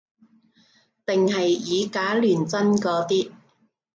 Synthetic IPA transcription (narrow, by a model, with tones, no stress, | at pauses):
t̪ɪ˨ŋɦɐ˨jːiː˨˧kaː˨˥lyː˨˩nt͡sɐ˥nkɔː˨˧˥t̪iː˥